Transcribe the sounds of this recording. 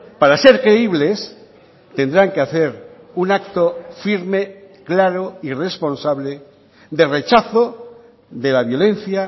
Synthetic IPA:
paɾase̞ɾkɾe̞iβ̞le̞s | t̪e̞nd̪ɾaŋkeaθe̞ɾ | unakt̪ofiɾme | klaɾoire̞spo̞nsaβle | ðe̞re̞t͡ʃaθo | ðe̞laβjo̞le̞n̟θja

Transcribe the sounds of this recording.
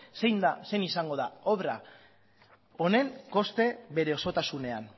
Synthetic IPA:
se̞jnd̪ase̞nisaŋɡo̞ðaoβɾa | o̞ne̞ŋko̞st̪e̞βe̞ɾe̞o̞so̞t̪asune̞an

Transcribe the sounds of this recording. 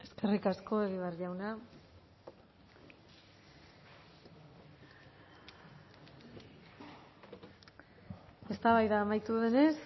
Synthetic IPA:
e̞ske̞rikasko̞e̞ɣ̞iβearʝawna | e̞st̪aβajðaːmajt̪uðe̞ne̞s

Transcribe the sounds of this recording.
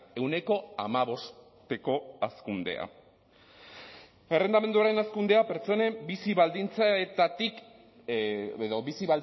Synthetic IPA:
e̞wne̞ko̞amaβo̞s | t̪e̞ko̞askund̪e̞̰a̰ | e̞re̞nd̪ame̞nd̪uaɾe̞naskund̪e̞ape̞ɾt͡so̞ne̞mbisiβald̪int͡saet̪at̪ik | eðo̞βisiβal

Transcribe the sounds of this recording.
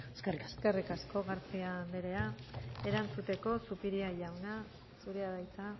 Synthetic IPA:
skrikaskerikasko̞ɣaɾt͡siand̪eɾe̞ae̞ɾant͡sut̪e̞ko̞supiɾiaʎawna | suɾeaðajt͡sa

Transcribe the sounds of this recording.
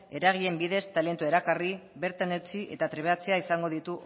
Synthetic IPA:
e̞ɾaɣ̞ie̞mbiðe̞st̪ale̞nt̪ue̞ɾakariβe̞ɾt̪ane̞wt͡siʔe̞̰t̪at̪ɾeβeat͡seaisaŋɡo̞ð̞it̪u

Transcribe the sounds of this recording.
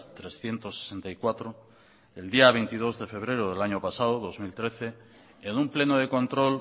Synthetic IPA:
t̪ɾe̞sθje̞nt̪osːe̥sent̪ajkwat̪ɾo | eld̪iaβ̞ejnt̪ið̞o̞zðe̞fe̞β̞ɾe̞ɾoðe̞laɲopasaðoðo̞zmilt̪ɾe̞θe̞ː | nũmple̞noð̞e̞ko̞nt̪ɾo̞l

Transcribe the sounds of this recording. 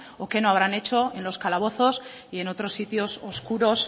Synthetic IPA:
oke̞noaβ̞ɾane̞t͡ʃo̞e̞nlo̞skalaβ̞o̞θo̞s | ie̞no̞t̪ɾosːit̪jo̞soskuɾo̞s

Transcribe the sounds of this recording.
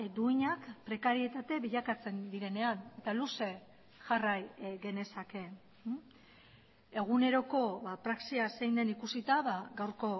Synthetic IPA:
d̪uiɲakpɾe̞kaɾie̞t̪at̪e̞βiʎakat͡se̞nd̪iɾe̞ne̞ane̞t̪aluse̞ | ʝarajɣe̞ne̞sake̞ | e̞ɣ̞une̞ɾo̞ko̞βapɾaksiasejnd̪e̞nikusit̪aβaɡawɾko̞

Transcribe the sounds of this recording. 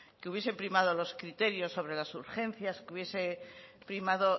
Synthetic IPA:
keuβjese̞pɾimað̞o̞lo̞skɾit̪e̞ɾjo̞sːo̞β̞ɾe̞lasuɾxe̞n̟θjaskeuβje̞sepɾimaðo̞

